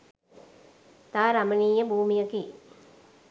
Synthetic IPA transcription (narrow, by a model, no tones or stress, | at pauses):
t̪aːɾaməniːjəbʱuːmijəki